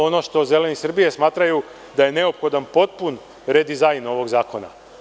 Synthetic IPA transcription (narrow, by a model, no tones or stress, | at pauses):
o̞no̞ʃt̪o̞ze̞le̞nisr̩bije̞smaːt̪ɾaju | d̪ajene̞opxo̞d̪anpo̞t̪̚pun | ɾe̞d̪izajno̞ʋo̞ɡzaːko̞na̰